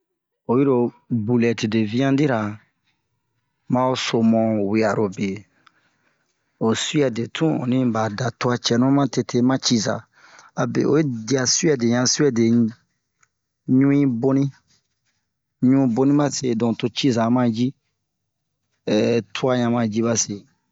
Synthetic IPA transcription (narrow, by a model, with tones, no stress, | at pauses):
o˨ji˦ɾo˧ | bu˨lɛ˨ti˨de˨vĩ˦ã˦di˦ɾa˨ | mã˦o˦so˨mɔ̃˨we˨a˨ɾo˨be˨ | o˨su˦ɛ˨de˨tʰũ˦o̰˨nĩ˦ba˨da˨tu˦a˧t͡ʃɛ˨nũ˦mã˦te˧tʰe˧mã˦t͡ʃi˦za̰˨ | a˨bḛ˨o̰˨e˦di˦˨a˨su˦ɛ˨de˨ɲã˧su˦ɛ˦de˨ | ɲũ˦ĩ˦bo˦nĩ˦ | ɲũ˦ĩ˧bo˦nĩ˦mã˦te˧˨dɔ̃˨to˨˧t͡ʃi˦za˨˦mã˦d͡ʒi˦˨ | tʰu˦a˦˧ɲã˧mã˧d͡ʒi˦ba˦se˨